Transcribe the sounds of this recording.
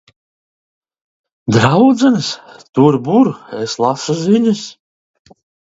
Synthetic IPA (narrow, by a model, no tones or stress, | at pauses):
d̪ɾawd̪zɛnst̪uɾbuɾeslˠasuziɲʲas